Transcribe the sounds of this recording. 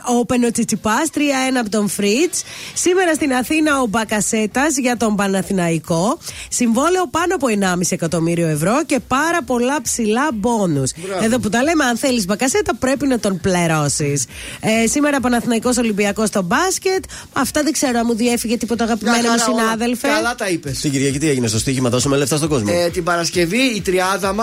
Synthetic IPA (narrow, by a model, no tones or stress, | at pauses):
ope̞not͡sit͡sipɐst̪ɾiɐe̞nɐːpot̪o̞ɱfɾit͡ssime̞ɾɐst̪inɐθinɐo̞bɐkɐse̞t̪ɐzʝɐt̪o̞mbɐnɐθinɐiko̞siɱvo̞le̞o̞pɐnoɐpo̞e̞nɐmisiekɐt̪o̞miɾio̞e̞vɾo̞ce̞pɐɾɐpo̞lɐpsilɐbo̞nuse̞ðop̬ut̪ɐle̞me̞ɐnθelizbɐkɐset̪ɐpɾe̞pinɐt̪o̞npleɾo̞sisesime̞ɾɐpɐnɐθinɐiko̞so̞limbiɐko̞st̪o̞bɐsce̞t̪ | ɐft̪ɐðeɡse̞ɾoɐmuðie̞fiʝe̞t̪ipo̞t̪eɐɣɐpimenomusinɐðe̞lfelɐt̪ɐipest̪iɟiɾʝɐcɐt̪ieʝinest̪o̞st̪içimɐðo̞sumeleft̪ɐst̪o̞ɡo̞zmot̪ibɐɾɐsce̞viːt̪ɾiɐðɐm